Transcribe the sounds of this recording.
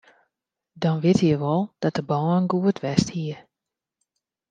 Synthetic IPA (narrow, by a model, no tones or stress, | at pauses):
dɔnʋɪtʰjəʋɔlˠd̥ɔt̚əbɔːnɡuətʰʋɛsthiə